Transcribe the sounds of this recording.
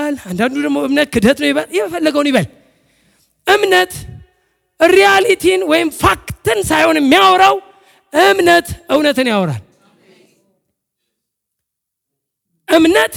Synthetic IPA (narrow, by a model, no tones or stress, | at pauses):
land̪and̪ud̪əɡmoɨmnət̪̚kʰɨd̪ət̪nəwjɛβəljɛməfəlːəɡəwnjβəl | ʔɨmnət̪ | ɾijalit̪ʰinwɔjɪmfakt̪ɨnsajho̞njɛmːijawɾaw | ʔɨmnət̪ʔɨwnət̪ɨnjawɾa̰l | ʔɨmnət̪